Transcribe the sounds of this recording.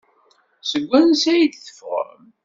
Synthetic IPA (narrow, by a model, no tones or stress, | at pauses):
səɡʷːænsæjəd̪θə̥fʁə̰m